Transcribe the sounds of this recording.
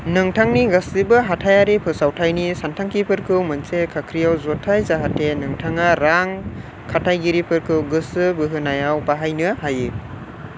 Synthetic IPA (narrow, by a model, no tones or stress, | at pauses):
nɯŋtʰaŋniɡasibɯɦatʰajaɾipʰɯsawtʰajnisantʰaŋkipʰɯɾkʰɯwmɯnsekʰakʰɾijawzotʰajzaɦatʰːenɯŋtʰaŋaɾaŋ | kʰatʰajɡiɾipʰɯɾkʰɯwɡɯsɯbɯɦɯnajawbaɦajnɯɦaji